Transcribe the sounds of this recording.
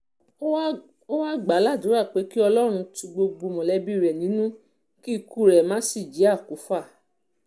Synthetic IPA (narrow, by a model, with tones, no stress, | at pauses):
o˦wa˦ɡ͡ba˨˦la˦˨dũ˨˦ɾa˦˨k͡pe˨˦ki˦ɔ˧lɔ˦ɾ̃ũ˧tũ˧ɡ͡bo˧ɡ͡bo˧mɔ̃˨lɛ˧bi˦˨ɾɛ˨nĩ˨˦nũ˦ | ki˦i˧ku˦˨ɾɛ˨mãː˨˦si˦˨d͡ʒi˨˦a˦˨ku˨˦fa˦˨